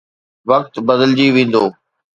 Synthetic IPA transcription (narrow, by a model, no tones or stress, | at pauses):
ʋək̚t̪bəd̪əld͡ʑiːʋẽːn̆d̪oː